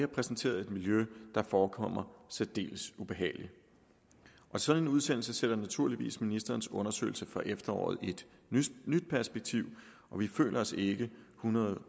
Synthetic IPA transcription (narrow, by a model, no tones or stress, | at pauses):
hɐpʰʁɛsn̩t͡sʰe̝̰ːɐð̞̩ˠe̝d̥miljød̥ɑ̈fɒːkʰɒ̽m̰ɐsɛd̥e̝̰ːləsub̥e̝ɦɛ̰ːɪli | ʔɒ̽sɒ̽nenuð̞ˠsen̰l̩səseɾ̥ɐnæt͡sʰuɐliʋḭːsminisd̥ɐːn̩sɔ̽nɐsø̰ɪl̩səfɒʔefd̥ɐɒ̰ːð̩ˠe̝d̥ | nyd̥̚pʰæɐsb̥eɡ̥̚t͡sʰiʊ̰ | ʔɒ̽ʋifø̰ːlʔɐɒ̽se̝ɡ̥əhunɐð̩ˠ